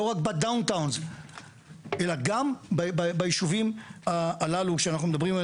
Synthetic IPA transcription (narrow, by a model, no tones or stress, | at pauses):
oʁakbad̪awnt̪awnz | ʔe̞laɡambababajiʃuvimaːlalukʃeanaχnumed̪ɐbʁima